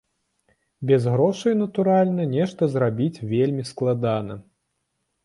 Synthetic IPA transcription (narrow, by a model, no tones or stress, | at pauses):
bʲɛzɣɾɔʂɨinɐt̪uɾalʲnɐnʲɛʂt̪ɐzɾabʲit͡sʲvʲelʲmʲisklˠad̪anɐ̰